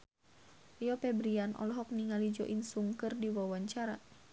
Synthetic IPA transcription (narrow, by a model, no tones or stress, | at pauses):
ijɔpɛbɾianʔɔ̰lɔɦɔk̚niŋalid͡ʒɔ̰ʔinsuŋkɨrdiwawaɲt͡ʃaɾa̰